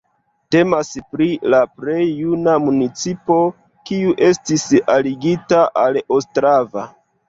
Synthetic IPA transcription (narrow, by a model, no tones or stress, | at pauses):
te̞maspɾilapɾe̞jːunamunit͡sipo̞ | kiuʔe̞stisaliɡitaʔalostɾava